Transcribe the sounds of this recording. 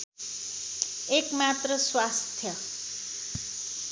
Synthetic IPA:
ekmat̪rʌswast̪ʰjʌ

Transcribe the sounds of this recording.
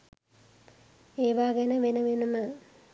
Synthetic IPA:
eːʋaːɡenəʋenəʋenumə

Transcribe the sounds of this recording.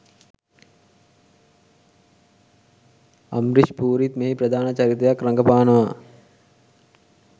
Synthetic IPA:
ɐ̰mɾiʃpuːɾit̪meɦipɾɐd̪ʱaːnɐt͡ʃɐɾit̪ɐjakɾɐŋɡɐpaːnɐʋaː

